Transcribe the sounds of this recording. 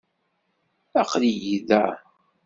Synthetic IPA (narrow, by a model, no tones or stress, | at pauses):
ɑ̰qlijiðæ